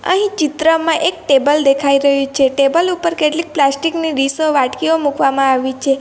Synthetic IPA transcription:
ə̰ɦĩt͡ʃit̪ɾəmãʔek̚ʈebəld̪ekʰaiɾəɦũt͡ʃʰeʈebəlupəɾkeʈlik̚plasʈikniɾisoʋaʈkiomukʋamãaʋit͡ʃʰe

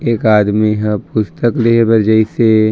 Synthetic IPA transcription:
eːkaːd̪miɦə̃pʊst̪əkleɦbəɾd͡ʒəise

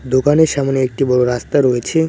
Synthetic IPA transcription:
d̪okaneɾʃamoneek̚ʈibɔɽoɾast̪aɾɔet͡ɕʰe

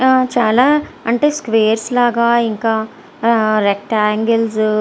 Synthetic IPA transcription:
t͡ʃaːlaːɐɳʈeːskʋeːɾslaːɡaːiŋkaː | ɾek̚ʈaːŋɡels

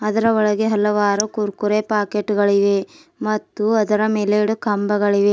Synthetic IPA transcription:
ɐd̪ɐɾɐɔɭɐɡeɦɐlɐʋaːɾukuɾkuɾepaːkeʈːɡɐɭiʋe | mɐt̪ːuɐd̪ɐɾɐmeleːɽukɐmbɐɡɐɭiʋe

